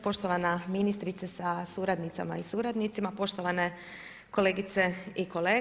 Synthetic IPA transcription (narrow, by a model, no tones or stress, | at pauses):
po̞ʃt̪oʋanaminist̪ɾit̪sesasuɾad̪nit̪sa̰ma̰isuɾad̪nit̪simapo̞ʃt̪oʋane | ko̞leːɡit̪seiko̞leː